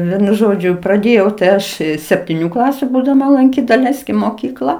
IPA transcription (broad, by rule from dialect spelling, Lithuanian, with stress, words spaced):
ˈʋʲiɛnʊ ˈʒoːd͡ʒʲʊ prɐˈdʲeːjɛʊ tɐɪ ˈɐʃ sʲɛpʲtʲiːˈnʲuː ˈklˠɑːsʲʊ buːdɐˈmɐ lˠɐŋʲˈkʲiːt dɐˈlʲɛɪsʲkʲɪm moːˈkʲiːklˠɐ